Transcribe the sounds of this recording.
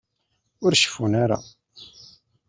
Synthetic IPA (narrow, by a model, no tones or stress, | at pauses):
ʊɾʃə̥funaɾa̰